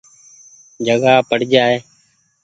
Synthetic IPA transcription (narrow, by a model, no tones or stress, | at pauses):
d͡ʒʱəɡaːpəɽd͡ʒaːeː